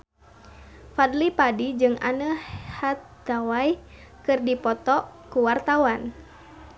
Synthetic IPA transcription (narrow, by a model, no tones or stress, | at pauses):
fadlipadid͡ʒɨŋa̰nəhat̪ː | awaj | kɨrdipɔt̪ɔkuwart̪awan